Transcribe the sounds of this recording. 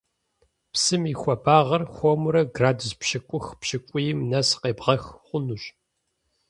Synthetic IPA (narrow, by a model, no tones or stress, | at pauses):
psɨmixʷɔbaːʁɐrxʷomuɾɐɡraːdzpɕɪkʷʼʊxpʃɪkʷʼʊjɪmnɐsqeːbʁɐxχʷʊnuɕʼ